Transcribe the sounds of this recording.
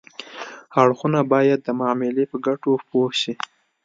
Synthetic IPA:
haɽxunabɑjad̪ːəmɑmɪlepəɡaʈopohʃi

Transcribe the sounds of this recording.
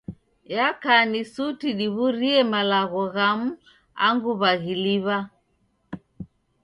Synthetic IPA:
jakanisutiɗiβuɾiɛmalaɣɔɣamu | a̰ŋɡuβaɣiliβa

